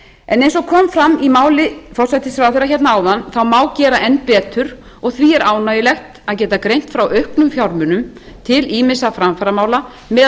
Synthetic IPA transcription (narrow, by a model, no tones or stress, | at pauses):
ɛnejnsɔkʰɔːmfɾamːimaːwlɪfɔr̥sajt̪ɪsɾaθejɾaçɛt̪naaːwðanθawmaːwcɛːɾaʔɛnpɛːt̪ʏɾ | ɔɣθviɛɾʔaːwnajɪlɛxt̪aðcɛːt̪akɾejn̥t̪fɾawœɥhknʏmfjawɾmʏnʏm | t̪ʰɪliːmɪsafɾamfaɾamaːwla | mɛ